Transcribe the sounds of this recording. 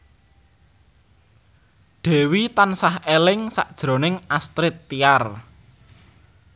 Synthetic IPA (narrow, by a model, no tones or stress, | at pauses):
ɖ̪̥ɛ̤wit̪ansahelɪŋsa̰ʔd̥ʒ̥ɾo̤nɪŋast̪ɾɪt̪ːiar